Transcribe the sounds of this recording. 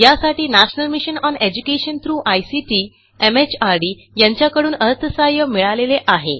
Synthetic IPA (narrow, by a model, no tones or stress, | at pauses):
jasaʈiːnæɕnəlmiɕənɔned͡ʑukeɕənt̪ʰɾuːʔajsiʈiː | emet͡ɕaɾɖiː | jãɲt͡ɕjakəɽuːnəət̪ːəsajəmiɭaleleʔaɦḛ